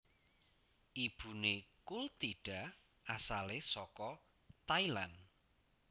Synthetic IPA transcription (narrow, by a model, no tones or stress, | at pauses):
ʔib̥ṳnekult̪iɖ̥a̤ | ʔasalesɔkɔ | t̪ailan